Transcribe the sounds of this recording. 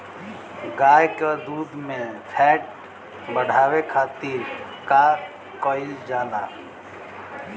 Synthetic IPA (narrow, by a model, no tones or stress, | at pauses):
ɡaːjked̪uːd̪mẽpʰɛʈ̚ | bəɽ̤ʱaːwekʰaːt̪iɾka | kəild͡ʒaːla